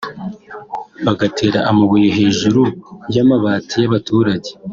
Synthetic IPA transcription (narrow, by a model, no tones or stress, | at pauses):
βaɡatʰe̞ːɾaʔamaβujoɦe̞ːʒuɾujamaβaːtʰijaβatʰuːɾaɟe̥